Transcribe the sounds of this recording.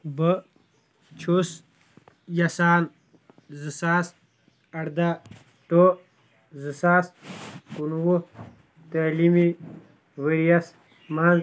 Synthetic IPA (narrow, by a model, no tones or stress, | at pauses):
bə | t͡ʃʰus | jɐsaːn | zɨsaːs | ɐɽd̪a | t̪o | zɨsaːskunwu | t̪alimi | wəɾijas | maːn